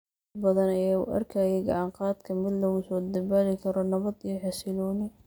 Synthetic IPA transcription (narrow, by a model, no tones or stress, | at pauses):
bɐðɐnɐjaːṵʔɐ̰rkʰaːjɛɡɑʕɑɴqɑːd̪kʰɐmɪd̪lɐɣʊsɔːd̪ɐbalɪkʰɐɾɔnɐβɐd̪ijɔħɛsɪlɔːnɪ